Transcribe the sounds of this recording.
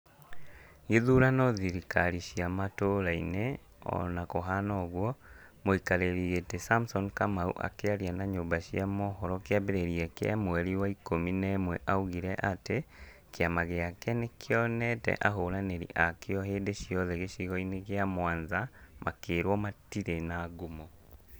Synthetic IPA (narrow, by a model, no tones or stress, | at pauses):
ɣeðuɾanɔðiɾikaɾiɕiamatoɾaine | ɔ̰nakoɦanɔɣwɔ | moikaɾeɾietesamsɔnkamaṵʔa̰keaɾianaɲombaɕiamɔhɔɾɔkeaβeɾeɾiɛkḛamwɛɾiwaikominɛmwɛʔauɣiɾɛʔate | keamaɣeakɛnekʰeɔnɛtɛ̰ʔaɦoːɾaneɾḭʔakeɔɦeːndeʃiɔðɛɣeʃiɣɔineɣeamwaːnzamakeːɾwɔmatiɾenaɡumo